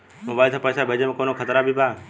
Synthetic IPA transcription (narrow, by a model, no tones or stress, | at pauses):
moːbaːilsãpəːsabʱeːd͡ʒemẽkoːnokʰət̪ɾabʱibʱaː